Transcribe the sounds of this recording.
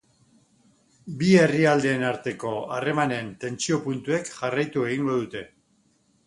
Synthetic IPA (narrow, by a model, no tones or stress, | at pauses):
bie̞riald̪e̞ːnaɾt̪e̞ko̞are̞mane̞nt̪e̞nt͡sio̞punt̪ue̞kʝarajt̪ue̞ɣ̞iŋɡo̞ðut̪e̞